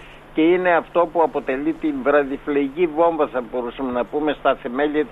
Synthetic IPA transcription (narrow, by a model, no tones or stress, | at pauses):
ce̞ine̞ɐft̪o̞puɐpo̞t̪e̞lit̪iɱvɾɐðifleicivo̞ɱvɐsɐbo̞ɾusɐmenɐpume̞st̪ɐθe̞me̞ʎɐt̪